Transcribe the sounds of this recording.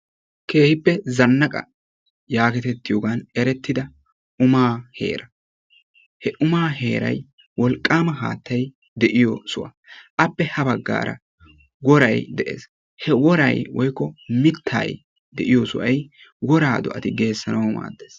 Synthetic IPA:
ke̞ːhɪpːɛzɐnːɐkʼɐ̰ | jaːkɛt̪ɛt̪ːɪjoːɡanɛɾɛt̪ːɪd̪ɐ | ʊmaːhe̞̰ːɾɐ | hɛʔʊmaːɦe̞ːɾɐ̰j | wɔlkʼːaːmɐɦa̰ːt̪ːɐj | d̪ɛʔɪjɔsʊwɐ̰ | ʔɐpːɛhɐbɐɡːa̰ːɾɐ̰ | ɡɔɾɐ̰jd̪ɛʔḛːs | hɛwɔɾɐ̰jwɔjkːɔmɪt̪ʰːa̰ːj | d̪ɛʔɪjɔsʊ̰ʔɐj | wɔɾaːd̪ɔ̰ʔɐt̪ɪɡe̞ːsːɐnɐwma̰ːd̪ːeːs

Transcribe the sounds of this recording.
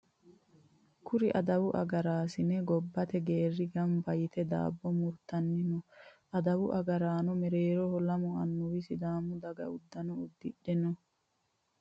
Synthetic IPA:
kʰʊɾɪʔɐd̪ɐwʊʔɐ̰ɡɐɾaːsɪnɛɡɔbːɐt̪ɛɡeːrːɪɡɐmbɐjɪt̪ɛd̪a̰ːbːɔmʊɾt̪ɐnːɪnɔʔɐd̪ɐwʊʔɐɡɐɾaːnɔmɛɾeːɾɔhɔlɐmɔɐnːʊwɪsɪd̪aːmʊd̪ɐɡɐ̰ʊd̪ːɐnɔʊd̪ːɪɗːɛnɔ

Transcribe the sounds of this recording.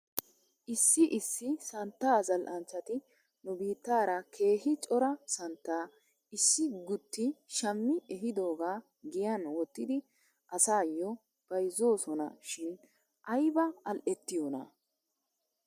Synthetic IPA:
ʔɪsːɪʔɪsːɪsɐnt̪ːaːzɐlʔɐnt͡ʃːɐt̪ɪ | nʊbiːt̪ːaːɾɐkʰe̞ːhɪt͡ʃʼɔɾɐsɐnt̪ːaː | ɪsːɪɡʊt̪ːɪʃɐmːɪɛɦɪd̪o̞ːɡaː | ɡɪjɐnwɔt̪ːɪd̪ɪ | ʔɐsaːjːɔ | b̥ɐjzo̞ːsɔnɐ̰ʃɪn | ʔɐjbɐɐlʔɛt̪ːɪjonɐ̰

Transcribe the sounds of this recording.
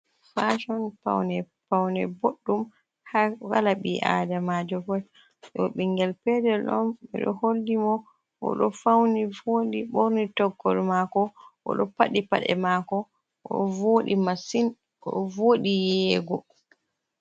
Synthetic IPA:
faʃɔnpa̰wnɛ | pawnɛboɗːum | hahalaɓiʔa̰ːdamad͡ʒɔfɔ | ɗɔɓiŋɡɛlpɛdɛlɗɔ̰mɓɛ̰ɗɔ̰holːimɔ | ʔɔ̰ɗɔfawnivoɗiɓoɾnitɔɡːɔlmakɔʔɔ̰ɗɔpaɗipa̰ɗɛ̰maːkɔ | ʔɔ̰voːɗimasin | ɔvoɗijɛːɡɔ

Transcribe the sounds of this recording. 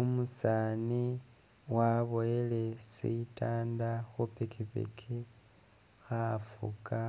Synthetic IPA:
umusani | waβojele̞sḭtaːndaxupekʰipḛkʰi | xafṵkʰa

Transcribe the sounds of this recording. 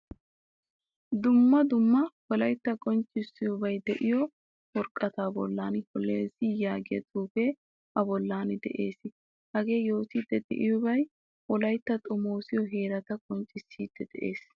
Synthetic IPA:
d̪ʊmːɐd̪ʊmːɐwɔlɐjt̪ːɐkʼɔnt͡ʃʼːɪsːɪjʊbɐjd̪ɛʔɪjɔ | wɔɾkʼːɐt̪aːbɔ̰lːaːnhɔlːeːzijaːɡɪjɐ̰t̪ʰuːbeː | ʔɐbɔlːaːnɪd̪ɛ̰ʔe̞̰ːsɪ | hɐɡe̞ːjo̞ːt̪iːd̪ːɛd̪ɛ̰ʔɪjʊbɐj | ʔɔlɐjt̪ːɐt̪ʼɔmo̞ːsɪjɔɦe̞ːɾɐt̪ɐkʼɔnt͡ʃʼːɪsːiːd̪̥ːɛd̪̥ɛʔe̞ːs

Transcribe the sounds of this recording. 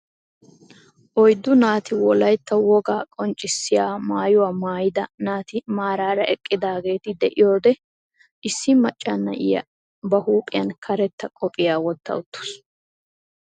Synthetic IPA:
ʔɔjd̪ːʊnaːt̪ɪwɔlɐjt̪ːɐwɔɡaːkʼɔnt͡ʃʼːɪsːɪjaːmaːjʊwaːmaːjɪd̪ɐnaːt̪ɪmaːɾaːɾɐʔɛkʼːɪd̪aːɡe̞ːt̪ɪd̪ɛʔɪjo̞ːd̪ɛ | ʔɪsːɪmɐt͡ʃʼːanːɐ̰ʔɪ̰jɐ̰ | bɐhuːpʼɪjɐnkʰɐɾɛt̪ːɐkʼɔpʼːɪjaːwɔt̪ːɐ̰ʊt̪ːʊ̥s

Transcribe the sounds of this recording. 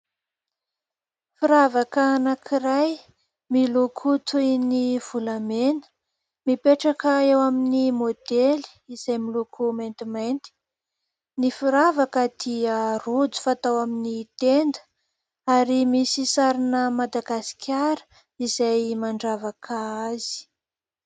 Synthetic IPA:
fiɾavakəːnakʰiɾaj | milukʰut̪ujniv̥ulamenə̥ | mipeʈ͡ʂakəewaminimod̪eli̥iz̥ajmilukʰumejnt̪imajnt̪i̥ | nifiɾavakəd̪̥iərud͡zu̥fat̪awaminit̪end̪ə̥ | aɾimisisaɾinəmad̪aɡasi̥kʲʰaɾə̥ | izajmaɳɖ͡ʐavakʰəaz̥i̥

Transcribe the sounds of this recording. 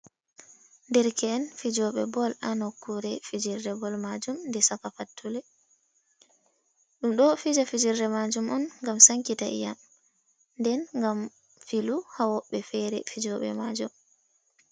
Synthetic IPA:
ndɛɾkʰɛːnfid͡ʒɔɓɛ̰bɔlanɔkːuɾɛfid͡ʒiɾdɛbɔlmad͡ʒumndɛsafafatʰːulɛ | ɗumɗɔfid͡ʒafid͡ʒiɾdɛmad͡ʒumɔnŋɡamsaŋkita̰ʔḭjam | ndɛnŋɡam | filuhawɔɓːɛfɛɾɛ̰fid͡ʒɔɓɛ̰mad͡ʒum

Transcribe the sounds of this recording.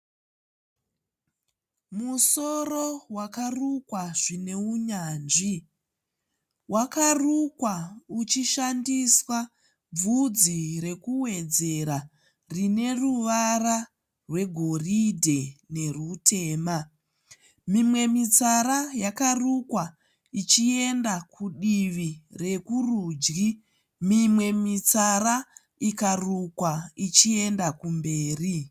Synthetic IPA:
muso̞rowakarukwaʐine̞uɲaːnʐi | wakarukwaut͡ʃiʃandiswa | b͡vud͡ziɾe̞kuwe̞d͡ze̞ɾa | rine̞ruʋara | rwe̞ɡʱo̞ridʱe̞ne̞rutʰe̞ːma | mimwe̞mit͡saɾajakarukwa | it͡ʃie̞ndakʰuɗiʋire̞kuruːd͡ʒɡi | mimwe̞mit͡sara | ikarukwait͡ʃie̞ndakumbe̞ːri

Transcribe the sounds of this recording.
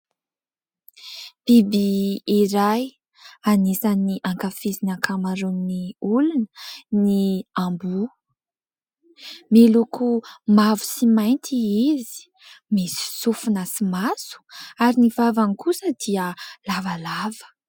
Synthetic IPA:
b̥ibiːɾaj | anisaniʔaŋkafizinaŋkʰamaɾunniulunə̥niambu | melukumavu̥simajnt̪ʰiizi̥ | misi̥sufunasimasu̥aɾinivavanikusəd̪iəlavalavə̥

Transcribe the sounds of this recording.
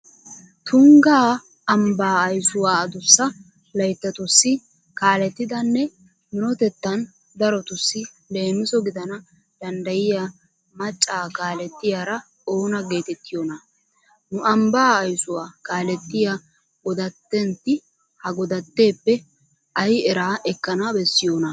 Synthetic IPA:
t̪ʊŋɡaː | ɐmbaːjsʊwaːd̪ʊsːɐ | lɐjt̪ːɐt̪ʊsːɪ | kaːlɛt̪ːɪd̪ɐnːɛ | mɪnɔt̪ɛt̪ːɐn | d̪ɐɾɔt̪ʊsːɪ | le̞ːnʊsɔɡɪd̪ɐnɐ | d̪̥ɐnd̪ɐjɪja | mɐt͡ʃʼːaːkaːlɛt̪ːɪjaɾɐ | oːnɐɡe̞ːt̪ɛt̪ːɪjoːnɐ | nʊɐmbaːjsʊwaːkaːlɛt̪ːɪja | ɡɔd̪ɐt̪ːɛnt̪ːɪ | hɐɡɔd̪ɐt̪ːe̞ːpːɛ | ʔɐjɛɾaːʔɛkːɐnɐbɛsːɪjoːnɐ

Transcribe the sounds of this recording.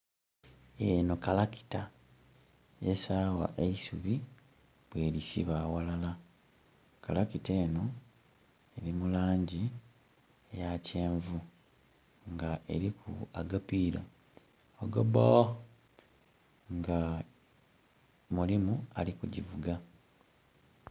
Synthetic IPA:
eno̞kalaki̥ta | esaːwa̰ʔeisuβi | βwe̞ːɾisḭβaːwalala | kalakite̞ːno̞ | eɾimulaːɲɟi | ejace̞ːɱvu | ŋɡaʔe̞ɾikʰṵaɡapiːɾa | oɡobo | ŋɡa | mulimua̰likuɟivuɡa

